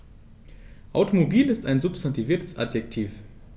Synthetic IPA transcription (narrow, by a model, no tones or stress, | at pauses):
ʔaʊtomobiːlɪstaɪnzʊpstantiviːɐtʰəsʔa̰djɛk̚tʰiːf